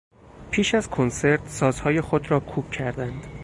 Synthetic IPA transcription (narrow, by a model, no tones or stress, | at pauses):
pʰiːʃæzkʰonse̞ɾt̪sɒːzhɒːje̞xo̞d̪ɾɒːkʰuːb̥cʰæɾd̪ænd̪̥